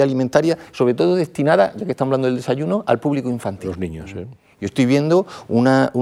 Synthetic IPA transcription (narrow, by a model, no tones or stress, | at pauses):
alimẽnt̪aɾjaso̞βɾe̞t̪o̞ðoðe̞st̪inaðaʝakest̪amβland̪old̪e̞saʝunoʔa̰lpuβlikoiɱfant̪ioznĩɲos | ie̞st̪ojβje̞nd̪ounau